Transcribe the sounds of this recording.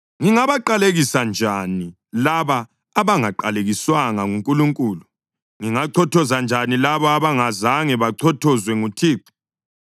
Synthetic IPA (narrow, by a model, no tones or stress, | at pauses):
ŋiŋaβaǃaleɣisand͡ʒʱani | laβaː | βaŋaǃaleɣiswaŋaŋuŋkʼuluŋkʼuːlu | ŋiŋaǀʰɔtʰɔzand͡ʒʱanilaβɔaβaŋazaŋɛβaǀʰɔtʰɔzwɛŋutʰiːǃi̥